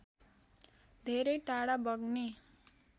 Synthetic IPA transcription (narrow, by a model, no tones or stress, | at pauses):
d̪ʱeɾʌjʈaɽabʌɡne